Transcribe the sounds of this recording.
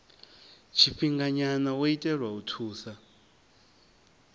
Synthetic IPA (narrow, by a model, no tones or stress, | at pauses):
t͡ʃʰiɸiŋɡaɲanawoitʼɛrwautʰuːsa